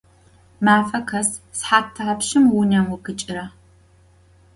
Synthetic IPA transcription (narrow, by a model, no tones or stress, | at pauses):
maːfɐkʰɐssħaːtʰːɐɐpʃɪmwʊnɐmwʊɡɨt͡ʃʼɪɾɐ